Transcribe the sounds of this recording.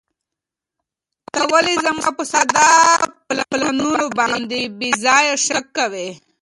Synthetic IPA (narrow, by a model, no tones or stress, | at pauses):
t̪awəlezamɑ̰pəsad̪ɑplaplanunobɑnd̪ebezɑjaʃakːawe